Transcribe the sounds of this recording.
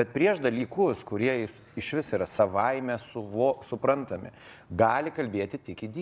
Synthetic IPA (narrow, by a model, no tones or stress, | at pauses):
bʲɛt̪̚pʲɾʲiɛʃd̪ɐlʲiːkʊskʊɾʲiɛɪ | ɪʃʲʋʲɪsiːɾɐsɐʋɐɪmʲɛsʊʋoːsʊpɾɐnt̪ɐmʲɪ̰ | ɡɑːlʲɪkɐlʲbʲeːt̪ʲɪt̪ʲɪkɪd̪ʲi